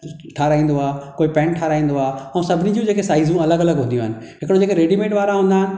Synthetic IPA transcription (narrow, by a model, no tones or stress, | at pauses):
ʈʰaːɾaːĩːn̆d̪oaːkoːipɛ̃ːɳʈʰaːɾaːĩːn̆d̪oaːɛũsɐbʱɪnĩd͡ʑũd͡ʑeːkesaːɪzũɐləɡɐləɡɦũːnd̪ijũɦɪnɪ̆ | ɦɪkɪɽod͡ʑeːkeɾeːɖimẽːʈʋaːɾaɦũːnd̪aːɪnɪ̆